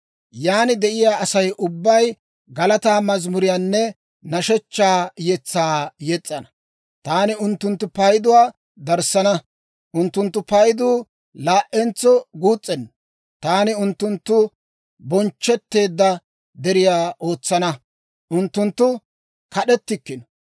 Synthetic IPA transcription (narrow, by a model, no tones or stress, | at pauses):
jaːnɪd̪ɛʔɪjaːɐsɐjʔʊbːɐj | ɡɐlɐt̪aːmɐzmʊɾɪjaːnːɛ | nɐʃɛt͡ʃːaːjɛt͡sːaːjɛt͡sʼːɐnɐ̥ | t̪aːnɪʊnt̪ːʊnt̪ːʊpɐjd̪ʊwaː | d̪ɐɾsɐnɐ | ʔʊnt̪ːʊnt̪ːʊpɐjd̪uː | laːʔɛnt͡sːɔɡuːt͡sʼːɛnː | t̪aːnɪʊnt̪ːʊnt̪ːʊ | bɔnt͡ʃːɛt̪ːe̞ːd̪ːɐ | d̪ɛɾɪjaːʔoːt͡sːɐnɐ | ʔʊnt̪ːʊnt̪ːʊ | kɐɗɛt̪ːɪkːɪnɔ